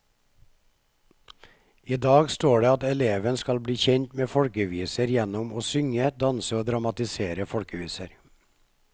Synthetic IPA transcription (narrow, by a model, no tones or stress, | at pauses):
iːd̪ɑːɡst̪oːɖeːɑt̪ɛleːʋənskɑlbɽiːçɛɲt̪meːfɔɽkəʋiːsəɾjɛnʊmoːsʏŋəd̪ɑnsəoːd̪ɾɑmɑt̪ɪseːɾəfɔɽkəʋiːsəɾ